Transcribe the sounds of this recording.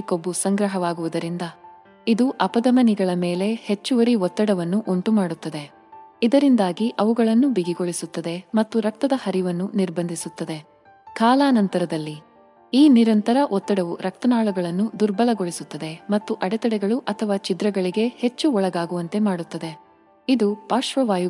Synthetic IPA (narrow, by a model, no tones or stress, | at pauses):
kobːusɐŋɡɾɐɦɐʋaːɡuʋud̪ɐɾind̪ɐ | id̪uʔɐpɐd̪ɐmɐniɡɐɭɐme̞ːle̞he̞t͡ʃːuʋɐɾiɔt̪ːɐɽɐʋɐnːuʔuɳʈumaːɽut̪ːɐd̪e̞ | id̪ɐɾind̪aːɡiʔɐʋuɡɐɭɐnːubiɡiɡoɭisut̪ːɐd̪e̞mɐt̪ːuɾɐk̚t̪ɐd̪ɐhɐɾiʋɐnːuniɾbɐnd̪ʱisut̪ːɐd̪e̞ | kaːlaːnɐnt̪ɐɾɐd̪ɐlːi | iːniɾɐnt̪ɐɾɐʔɔt̪ːɐɽɐʋuɾʔɐk̚t̪ɐnaːɭuɡɐɭɐnːud̪uɾbɐlɐɡoɭisut̪ːɐd̪e̞mɐt̪ːuʔɐɽɛt̪ɐɽɛɡɐɭuʔɐt̪ʰɐʋaːt͡ʃid̪ɾɐɡɐɭiɡe̞he̞t͡ʃːuɔɭɐɡaːɡuʋɐnt̪e̞maːɽut̪ːɐd̪e̞ | id̪upaːʃʋɐʋaːj